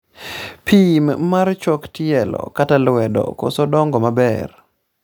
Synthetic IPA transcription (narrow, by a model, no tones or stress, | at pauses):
pʰimmart͡ʃɔktɪɛlɔ̰katalwɛdɔ̰kɔ̰sɔdɔŋɡɔmabɛr